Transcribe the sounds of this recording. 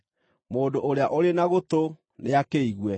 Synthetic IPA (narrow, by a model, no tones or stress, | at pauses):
moːndoʔoɾeaʔoɾenaɣot̪o | neakeiɣwɛ